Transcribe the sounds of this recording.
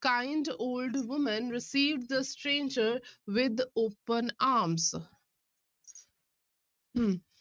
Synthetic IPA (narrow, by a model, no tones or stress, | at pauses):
kãɪ̃ɳɖoːlɖʋʊmə̃nɾɪsiːʋɖd̪əsʈɾẽːnd͡ʒəɾʋɪd̪oːpə̃naːɾmz